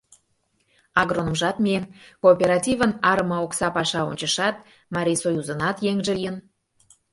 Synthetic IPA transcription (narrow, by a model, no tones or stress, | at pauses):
ɑɣɾonə̆mʒɑt̪mienkoːpʲeɾɑtʲivənɑɾə̆mɑoksɑpɑʃɑo̰nʲt͡ɕə̆ʃɑt̪̚ | mɑɾʲijsojuzə̆nɑt̪jeŋʒĕlijən